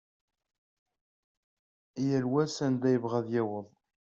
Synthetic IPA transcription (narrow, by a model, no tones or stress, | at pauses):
jælwæsænd̪æjəvʁæðjæwəðˤ